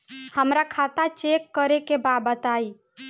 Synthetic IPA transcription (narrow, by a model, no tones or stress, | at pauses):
həmɾakʰat̪at͡ʃekːəɾekebabət̪ai